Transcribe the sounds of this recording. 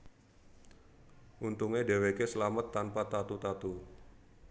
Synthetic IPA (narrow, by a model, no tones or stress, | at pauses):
ʔunt̪uŋedewekesəlamət̪ːanpat̪at̪ut̪at̪u